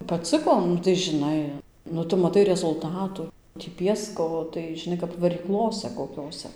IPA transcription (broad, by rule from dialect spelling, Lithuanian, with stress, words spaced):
pɐˈt͡sɨkoː ˈnʊ tɐɪ ʒʲɪˈnɐɪ nʊ ˈtʊ mɐˈtɐɪ rʲɛzʊlˠˈtɑːtʊ tʲiː ˈpʲiɛskoː tɐɪ ʒʲɪˈnɐɪ kɐp ʋɐrʲiːˈklˠoːsʲɛ koːˈkʲoːsʲɛ